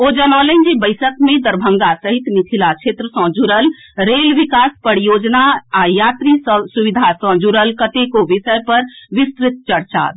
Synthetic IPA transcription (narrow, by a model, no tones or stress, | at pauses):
od͡ʒənɔlənd͡ʒibəɪsəkmẽd̪əɾbʱəŋɡasəɦit̪mik̪ʰilat͡ʃʰet̪ɾəsɔ̃d͡ʒuɾəl | ɾelʋikaspəɽijod͡ʒnaajat̪ɾisuʋid̪ʱasɔ̃d͡ʒuɾəlkət̪ekoʋisəjpəɾʋisk̪ɾɪt̪̚t͡ʃəɽt͡ʃa̰